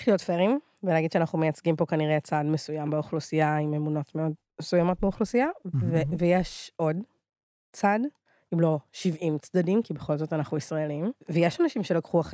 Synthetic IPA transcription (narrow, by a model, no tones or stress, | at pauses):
χlijotfeʁim | velaɡidʃeanaχume̞jat͡sɡimpo̞kaniʁet͡sadmesujambeuχlusiaimemuno̞tmeo̞d | mesujamo̞t̚beuχlusijavevejeʃo̞d | t͡sad | imlo̞ʃivimt͡sdadimkibe̞χo̞lzotanaχuisʁaelimvejeʃanaʃimʃelakχuaχ